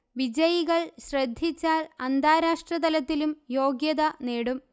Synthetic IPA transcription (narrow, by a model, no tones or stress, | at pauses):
ʋid͡ʑɐjiɣɐɭɕrɐd̪ʱːit͡ɕːaːlɐnd̪ʱaːɾaːʂʈrɐd̪ɐlɐt̪ːilumjo̞ːɡjɐðɐneːɽum